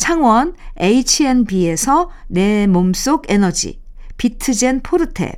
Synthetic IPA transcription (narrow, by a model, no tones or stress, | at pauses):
t͡ɕʰaŋwʌneit͡ɕʰienbie̞sʰʌne̞moms͈oɡe̞nʌd͡ʑḭ | pitʰɯd͡ʑe̞npʰoɾɯtʰe̞̰